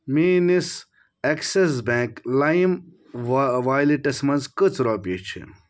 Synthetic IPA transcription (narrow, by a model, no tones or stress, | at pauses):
miːnis | ekses̬bẽːklajim | ʋaːjliʈɐsmɐ̃nzkɨt͡sʰɾaːpiːt͡ʃʰḭ